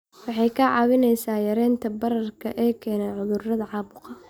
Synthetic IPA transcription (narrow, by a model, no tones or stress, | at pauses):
wɑħɑjkʰɐʕɑːβɪnɛjsaːjɐɾɛːnt̪ʰɐbɐɾɐrkʰɐʔɛːkʰɛːnɛjʕʊðʊrɐðɐʕɑːβʊqɑ